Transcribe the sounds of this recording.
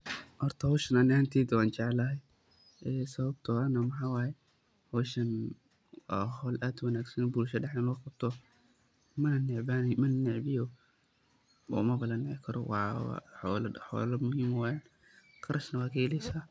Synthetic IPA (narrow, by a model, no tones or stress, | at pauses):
hɔrt̪ʰɐhɔːʃɐnanɪaːnt̪ʰɛːd̪waːnt͡ʃɛʕɛlɐɦɛj | ɛːsɐβɐb̚t̪ʰɔɐnɐmɐħaːwaːjɛ | hɔːʃɐnː | ɦɔlʔaːd̪wɐnaːɡsɐnɔbulʃɐɖɛħɛnɔːqɑb̚t̪ʰɔ | mɐnnɪʕbaːnmɐnnːɪʕbɪjɔ | ɔ̰mɐbɐlɐnɪʕɪkʰɐɾɔ̰wɑ̰ːħɔlħɔ̰ːlɐmʊhiːmwaːjan | qɑɾʔɐʃnɐwaːkʰɐhɛlɛjsaː